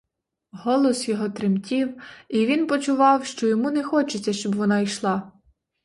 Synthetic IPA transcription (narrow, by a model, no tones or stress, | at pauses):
ɦɔlˠɔsjɔɦɔt̪ɾemtʲiwiʋʲinpɔt͡ʃʊʋɑwʃt͡ʃɔjɔmunɛxɔt͡ʃet͡sʲːɐʃt͡ʃɔbʋɔnɑiʃlˠɑ